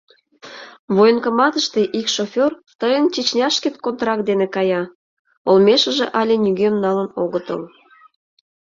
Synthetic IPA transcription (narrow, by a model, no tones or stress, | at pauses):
βojənkəmɑt̪əʃt̪e̽ʔikʃofʲort̪əjənt͡ɕit͡ɕnʲɑʃket̪kont̪rɑk̚d̪enekɑjɑ | olmʲeʃə̆ʒeʔɑlʲenyɣemnɑlənoɣət̪ə̰l